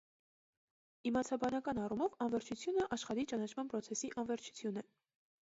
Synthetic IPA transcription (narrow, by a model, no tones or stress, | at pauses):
imɑt͡sʰɑbɑnɑkɑnɑrumɔvɑnvɛɾt͡ʃʰut͡sʰjunəʔɑʃχɑɾit͡ʃɑnɑt͡ʃʰmɑnpɾɔt͡sʰɛsiʔɑnvɛɾt͡ʃʰu̥t͡sʰjunɛ